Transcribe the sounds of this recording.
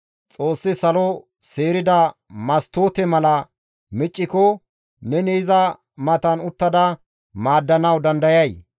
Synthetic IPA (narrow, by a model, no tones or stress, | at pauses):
t͡sʼo̞ːsːɪsɐlɔ | seːɾɪd̪ɐmɐst̪oːt̪ɛmɐlɐ | mɪt͡ʃʼːɪkɔ | nɛnezɐ | mɐt̪ɐnʊt̪ːɐd̪ɐ | maːd̪ːɐnɐwd̪ɐnd̪ɐjɐj